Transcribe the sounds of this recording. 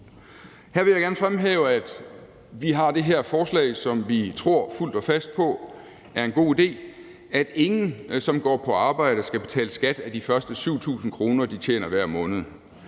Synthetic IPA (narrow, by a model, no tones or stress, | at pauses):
hæɐ̰ʋe̝jɑɡæɐnəfʁamɦɛ̰ːʊəæd̥ | ʋiɦɑ̈d̥e̝ɦeɐ̰fɒːslɛ̰ɪsɒ̽mʋit͡sʰʁo̝ɐ̰ful̰d̥ɒ̽fæsd̥̚pʰɒ̽ | æɐe̝nɡ̥o̝̰ːid̥e̝̰ː | æd̥e̝ŋn̩sɒ̽mɡ̥ɒ̰ːpʰɒ̽ɑ̈ːb̥ɑ̈ɪ̰ɾ̥əsɡ̥æb̥e̝t͡sʰɛ̰ːləsɡ̥æd̥æd̥ifɶɐsd̥əsuʊt͡sʰṵːsn̩kʰʁo̝ːnɐd̥it͡ɕʰjḛːnɐʋæɐ̰mɔ̽ːnð̩ˠ